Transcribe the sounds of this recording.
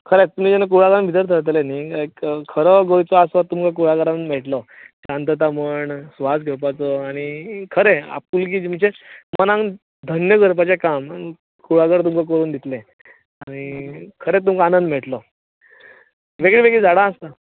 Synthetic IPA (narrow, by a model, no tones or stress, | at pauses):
kʰəɾet̪um̤iːd͡ʑɛnak̬uɭaɡəɾambit̪̬əɾt̪ʰəɭt̪̬lenikkʰəɾɔɡojt͡sɔasʋatt̪ːumkak̬uɭaɡəɾam̤eʈlɔt͡ɕãnt̪ət̪aməɳsʋasɡʱəpat͡sɔaɽ̃ikʰəɾea̰p̚kulk̬iːd͡ʑim̤əɳɕemənãŋ | d̪ʱənjəɡəɾp̬at͡ɕekamai | kuɭaɡəɾt̪umkak̬əɾuːnd̪it̪le | aɽ̃ikʰəɾet̪umkaanə̃nd̪m̤eʈlɔ | ʋeɡɭiʋeɡɭid͡zaɽãəst̪a